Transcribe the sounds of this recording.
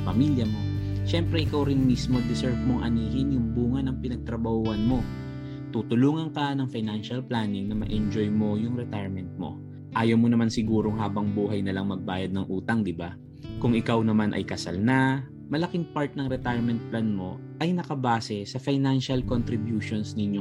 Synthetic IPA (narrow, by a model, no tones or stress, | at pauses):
pɐmiljɐmo̞ʃɛmpɾɛʔɪkawɾɪnmismo̞d̪ɪsɛɹt̪̚mo̞ŋʔɐ̰niːhɪnjʊŋbuːŋɐnɐŋpɪnɐɡ̚t̪ɾɐbɐhuːɐnmo̞ | t̪ut̪ʊluːŋɐŋkɐnɐŋfajnanʃɐlplanɪŋnɐmɐʔɛnd͡ʒojmo̞jʊŋɾɛt̪ajɹmɛnt̪̚mo̞̰ | ʔaːjɐwmonɐmansɪɡuːɾoŋɦaːbɐŋbuːɦɐjnɐlɐŋmɐɡ̚baːjɐd̪̚nɐŋʔuːt̪ɐŋd̪ɪba | kʊŋɪkawnɐmanʔɐ̰jkɐsa̰lnɐ | mɐlɐkɪŋpaɹt̪̚nɐŋɾɛt̪ajɹmɛnt̪̚planmo̞ | ʔɐjnɐkɐbaːsɛsɐfɐjnanʃɐlkont̪ɾɪbjuːʃonsnɪɲo